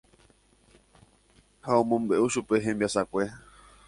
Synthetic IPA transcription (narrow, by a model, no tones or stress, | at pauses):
haõmõmbe̞ʔuʃupe̞ɦẽmbiasakʷe̞